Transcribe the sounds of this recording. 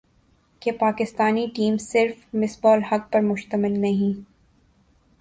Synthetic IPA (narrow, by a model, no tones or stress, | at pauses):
kepaːkɪst̪aːniʈiːmsɪɾfmɪsbɔːlhɐk̚pɐɾmʊʃt̪əmɪlnɐɦĩː